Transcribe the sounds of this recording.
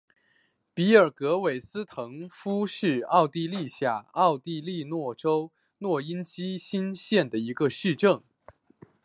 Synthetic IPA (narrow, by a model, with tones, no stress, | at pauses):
pi˧˥ə˞˨˩kɤ˧˥we˨˩ɪsɹ̩˥t̪ʰɤ˧˥ŋfu˥ʂɻ̩˥˧ɑ˥˧ʊt̪i˥˧li˥˧ɕja˥˩ɑ˥˧ʊt̪i˥˧li˥˧nwɔ˥˩ʈ͡ʂo˥ʊ | nwɔ˥˩i˥nt͡ɕi˥ɕi˥nɕjɛ˥˩nd̪ə˩i˧˥ɡə˧ʂɻ̩˥˧ʈ͡ʂɤ˥˩ŋ